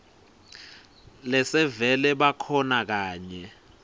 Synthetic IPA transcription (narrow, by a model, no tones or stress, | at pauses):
lɛsɛvɛlɛɓakʰɔnak̬aːɲɛ